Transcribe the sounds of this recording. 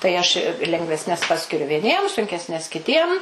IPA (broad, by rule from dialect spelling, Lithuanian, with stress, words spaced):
tɐɪ ˈɐʃ ɪ lʲɛŋɡʋʲɛsʲˈnʲɛs ˈpɑːsʲkʲɪrʲʊ ʋʲiɛˈnʲiɛm sʊŋʲkʲɛsʲˈnʲɛs kʲɪˈtʲiɛm